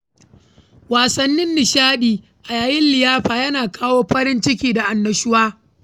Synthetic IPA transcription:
waː˨sɐ˦nːɪ˦nːɪ˨ʃaː˦ɗiː˨ | ʔa˨jaː˨jɪ˦nlɪ˨jaː˦ɸaː˨jɐ˦naː˨kʰaː˦woː˦ɸɐ˦ɾɪ˦nt͡ʃɪ˦kʲiː˦da˨ʔa˨nːɐ˨ʃʊ˦waː˦

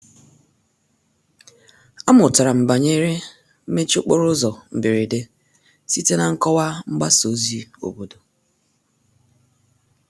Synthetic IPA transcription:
a˦mʊ˨ta˨ɾa˨m̩˨ba˨ɲe˦ɾe˦ | m̩˦me˦t͡ʃo˦k͡po˦ɾʊ˦zɔ˨m̩˨bɪ˨ɾe˨de˦ | si˦te˦na˨ŋ̩˦kɔ˦wa˦ŋ͡m̩˦ɡ͡ba˦so˨˦zi˦o̰˨bo˨do˨

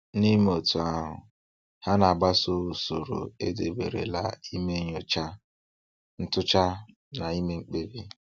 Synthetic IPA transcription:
ni˦m˦o˨tu˨a˦ɦʊ̰˨ | ha˦na˨ɡ͡ba˦so˦u˨so˨ɾo̰˨e˦de˨bḛ˨ɾḛ˨la˦i˦me˦ɲo˨t͡ʃa˦ | n̩˦tʊ˦t͡ʃa˦ | na˨i˦me˦ŋ͡m̩˦k͡pe˦bi˦

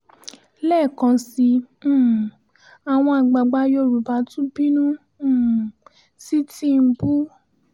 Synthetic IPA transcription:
lɛː˦˨kã˧sĩ˧˦˨ | a˨w̃ɔ̃˧a˨ɡ͡ba˧ɡ͡ba˧jo˧˨ɾu˨ba˨˦tũ˦bi˦nũ˦˨ | si˦tĩ˦˨˧bu˦

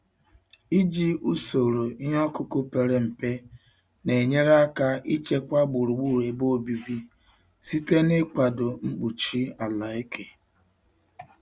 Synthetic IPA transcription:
i˦d͡ʒi˦ʔu˦so˨ɾo˨i˦ɦɔ˦kʊ˦kʊ˦pe˨ɾe˨m̩˨pe˦ | ne˨ɲe˦ɾa˦ka˦i˦t͡ʃe˦kʷa˦ɡ͡bʊ˨ɾu˨ɡ͡bu˦˨ɾe˨bo˦˨bi˨bi˦ | si˦te˦nɪ˦k͡pa˨dʊ˨ŋ͡m̩˦k͡pu˨t͡ʃi˦a˨la˨e˦kʰe˨

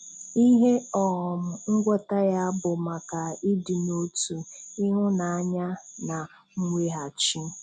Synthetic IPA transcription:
i˦ɦe˦ɔ˨ɦɔ˨mʊ˨ŋ̩˦ɡʷɔ˦ta˦ja˦bʊ˨ma˨ka˨i˦dɪ˨no˦tu˨i˦ɦʊ˦na˨a˦ɲa˦na˨ | ŋ̩˦ŋʷe˦ɦa˨t͡ʃi˦

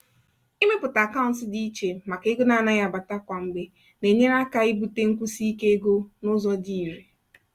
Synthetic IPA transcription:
i˦me˦pʊ˨ta˨ka˦ʊ˨n̩˦sɪ˦di˦i˦t͡ʃe˨ma˨ke˨˦ɡo˦na˦na˦ja˦˨ba˨ta˦kʷa˨ŋ͡m̩˨ɡ͡be˦ | ne˨ɲe˦n˦a˦ka˦i˦bu˨te˦ŋ̩˦kʷu˦si˦i˦ke˦e˦ɡo˦nʊ˦zɔ˦di˦˨ɾe˨

